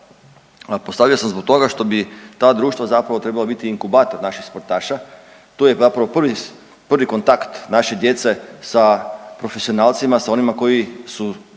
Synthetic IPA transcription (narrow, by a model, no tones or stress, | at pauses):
post̪aʋijosamzbok̚t̪o̞ɡaʃt̪o̞bit̪aːd̪ɾuːʃt̪ʋazapɾaʋo̞t̪ɾebalabit̪iːŋkubaːt̪o̞ɾnaʃixspoɾt̪aːʃa | t̪ujezapɾaʋo̞pr̩ʋi | pr̩ʋiko̞nt̪akt̪naʃed̪je̞t̪se̞sapɾo̞fesio̞naːlt̪simasao̞nimako̞jisu